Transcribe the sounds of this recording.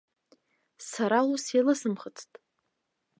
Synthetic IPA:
saɾalusjalɨsɨmχət͡sʰtʼ

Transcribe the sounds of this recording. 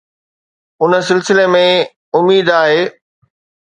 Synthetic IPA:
ʊnə̆s̬ɪlsɪlemẽ | ʊmiːd̪aːɦeː

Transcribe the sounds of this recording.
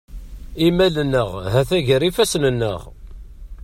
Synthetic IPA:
imælənːəʁhæθæʝəɾifæsnənːə̰ʁ

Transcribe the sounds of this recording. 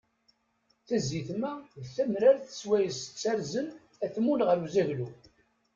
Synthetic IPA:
θæziθmæðθæmɾaɾθə̥t͡sːwæjəsə̥t͡sːæɾzən | æθmulʁəɾuzæʝlu

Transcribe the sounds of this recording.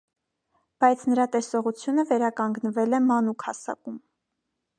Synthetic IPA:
b̥ɑjt͡sʰnəɾɑt̪ɛsɔʁut͡sʰjunəvɛɾɑkɑŋɡnəvɛlɛmɑnukʰhɑ̰sɑ̰kum

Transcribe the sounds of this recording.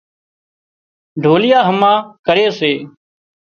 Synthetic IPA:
ɖʱoːlɪjaːɦəmãːkəɾeːseː

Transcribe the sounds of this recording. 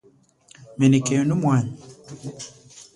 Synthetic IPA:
menikɛɔnumwaɲ

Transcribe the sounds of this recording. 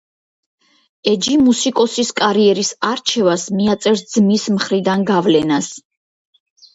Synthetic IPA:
ɛd͡ʒimusikʼɔsiskʼaɾiɛɾisaɾt͡ʃʰɛvasmiat̪sʼɛɾsd̪z̥mismχɾid̪anɡavlɛnas

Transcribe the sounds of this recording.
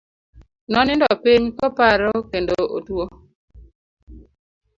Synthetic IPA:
nɔnɪndɔpiɲkɔpaɾɔkendoʔo̰two

